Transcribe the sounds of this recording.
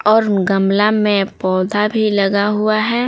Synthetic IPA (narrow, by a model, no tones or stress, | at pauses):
ɔːɾɡəmlamẽpɔːd̪ʱabʱilɐɡaɦuaɦɛː